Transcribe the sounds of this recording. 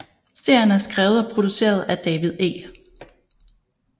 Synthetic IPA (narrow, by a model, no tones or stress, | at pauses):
se̝ɐ̰jɐnəæɐsɡ̥ʁaːʊð̩ˠɒ̽pʰʁo̝d̥use̝̰ːɐð̞̩ˠæd̥ɛːʋiðˠe̝̰ː